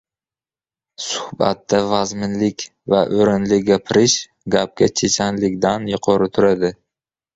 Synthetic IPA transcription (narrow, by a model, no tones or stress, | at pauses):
sʊ̥hba̰t̪ːavazmɪnlɪkʲ | vaʔoɾɪnlɪɡʲapʰɪɾɪʃ | ɡʲap̚kʲat͡ʃʰet͡ʃʰanlɪkʲd̪anjʊqʰɒɾɪt̪ʰʊɾad̪ɪ